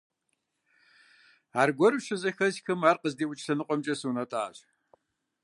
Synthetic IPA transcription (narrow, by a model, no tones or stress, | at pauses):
aːrɡʷɔrɕɨzɐxɐzxɨmaːrqəzdiːwʊt͡ʃʼsɐnɨqʷʼɔmt͡ʃʼɐsuːnɐtʼaːɕ